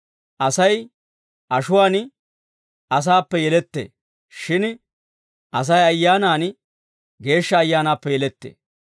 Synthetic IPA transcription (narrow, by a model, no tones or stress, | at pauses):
ʔɐsɐj | ʔɐʃʊwaːn | ʔɐs̬aːpːɛjɛlɛt̪ːḛː | ʃɪn | ʔɐs̬ɐjɐjːaːnaːn | ɡe̞ːʃːɐːjːaːnaːpːɛjɛlɛt̪ːḛː